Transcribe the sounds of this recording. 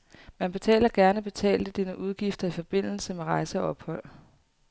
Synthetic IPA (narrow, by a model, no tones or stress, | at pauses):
mænb̥e̝t͡sʰɛ̰ːlɐɡ̥æɐnəb̥e̝t͡sʰɛ̰ːld̥əd̥iːnəʔuð̞ˠɡ̥ifd̥ɐifɒ̽b̥e̝n̰l̩səmeʁɑ̈ɪsəɒ̽ɒ̽b̥hɒ̽l̰